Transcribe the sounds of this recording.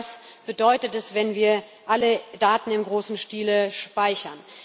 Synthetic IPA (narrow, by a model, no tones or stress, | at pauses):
sb̥ədɔʏtətɛsv̥ɛnviːɐ | ʔalədaːtn̩ɪmɡʁoːsn̩ʃtiːləʃpaɪçɐn